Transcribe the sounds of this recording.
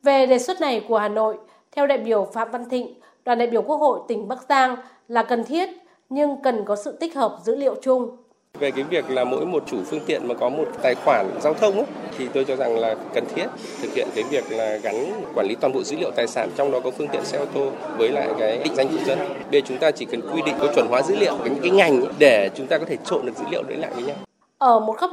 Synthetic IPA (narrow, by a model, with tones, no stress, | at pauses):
ve˨˩ɗe˨˩swə˦˥t̚na˨˩jku˧˩əhaː˨˩no̰˧˨j | t̪ʰɛ˧wɗa̰ː˧˨jɓi˧˩əwfa̰ː˧˨mva˧nt̪ḭ̈˧˨ŋ̟ | ɗwaː˨˩nɗa̰ː˧˨jɓi˧˩əwku˦˥ək̚ho̰˧˨jt̪ï˧˩ŋ̟ɓaː˦˥k̚zaː˧ŋ | laː˨˩kə˨˩nt̪ʰi˦˥ət̚ | ɲɨ˧ŋkə˨˩nkɔ˨˦sɨ̰˧˨t̪i˦˥k̟̚həː˨˩p̚zɨ̰˧˥lḭ˧˨ə˨wt͡ɕʊ˧ŋ͡m | ve˨˩kaː˨˦jvi˨˩ək̚laː˨˩mo̰˧˥jmo˨˩t̚t͡ɕu˧˩fɨ˧əŋt̪ḭ˧˨ənmaː˨˩kɔ˨˦mo˨˩t̚t̪aː˨˩jxwaː˧˩nzaː˧wt̪ʰə˧wŋ͡mʔa˨˦t̪ʰi˨˩t̪o˧jt͡ɕɔ˧za˨˩ŋlaː˨˩kə˨˩nt̪ʰi˦˥ət̚ | t̪ʰɨ˨k̚hḭ˧ənkaː˨˦jvi˨˩ək̚laː˨˩ɣa˨˦ŋ˨˩kwaː˧˩nli˨˦t̪wa˨˩ɓo̰˧˨˩zɨ̰˧˥lḭ˧˨əwt̪aː˨˩jsaː˧˩nt͡ɕɔ˧wŋ͡mɗɔ˨˦kɔ˨˦fɨ˧əŋt̪ḭ˧˨ənsɛ˧t̪o˧vəː˨˦jla̰ː˧˨jkaː˨˦j̰ŋ̟za˧jŋ̟t͡ɕʊ˧˩ŋ͡mzə˧nɓe˧˨˩t͡ɕʊ˨˦ŋ͡mt̪aː˧t͡ɕi˧˩kə˨˩nkwi˧ɗḭ˧˨ŋ̟kɔ˨˦t͡ɕwə˧˩nɦwaː˨˦zɨ̰˧˥lḭ˧˨əwkaː˨˦jɨ̰˧˥ŋkːaː˨˦jŋa˨˩jŋ̟ɗe˧˩t͡ɕʊ˨˦ŋ͡mt̪aː˧kɔ˨˦t̪ʰe˧˩t͡ɕo̰˧˨nɗɨ˨˩k̚zɨ̰˧˥lḭ˧ə˨wɗḛ˧˦nla̰ː˧˨jvəː˨˦jɲa˧w | ʔəː˧˩mo˨˩t̚kə˦˥